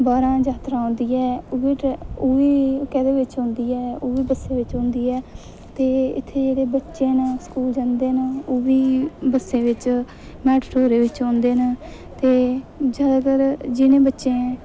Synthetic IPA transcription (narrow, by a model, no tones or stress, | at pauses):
baːɾãːd͡ʒaːt̪ɾãːɦõːnd̪iːɛːoʋiːʈoːʋiːkɛːd̪eːʋɪt͡ʃɦʊ̃ːnd̪iːɛːoːʋiːbəsẽːʋɪt͡ʃɦõːnd̪iːɛː | t̪eːɪ̰t̪ʰːeːd͡ʒeːɽeːbətːʃẽːnskuːld͡ʒand̪eːnoːʋiːbəsːẽːʋɪt͡ʃ | mɛːʈʈʰoːɾeːʋɪt͡ʃɔ̃ːnd̪eːn | t̪eːd͡ʒəd̪əɡəɾd͡ʒɪnẽːbətːʃẽː